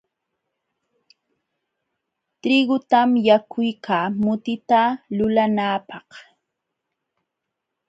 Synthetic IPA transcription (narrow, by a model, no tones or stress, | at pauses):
t̪ɾɪɡʊt̪amjakʰʊjkʰaːmʊt̪ɪt̪alʊlanaːpɑh